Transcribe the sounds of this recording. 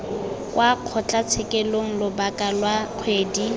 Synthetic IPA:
kʼwʔaq͡χʰɔt͡ɬʼat͡sʰɪkʼɛloŋ̩lʊbakʼalwaq͡χʰweːdi

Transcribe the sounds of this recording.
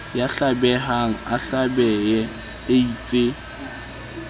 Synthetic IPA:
jaɬabɛɦaŋ̩aɬabɛjɛ | ɪit͡sʼe

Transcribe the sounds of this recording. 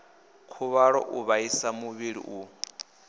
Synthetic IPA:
kʰuβaɺɔ̰ʔuβaisamuβiɺḭʔu

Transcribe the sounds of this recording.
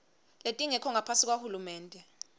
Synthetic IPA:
letʼiŋɛkʰɔŋapʰasik̬wahulumɛːntʼɛ

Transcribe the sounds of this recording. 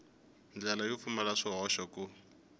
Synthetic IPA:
nd͡ɮalajʊfumalaʂɔɦɔʃɔkʼʊ

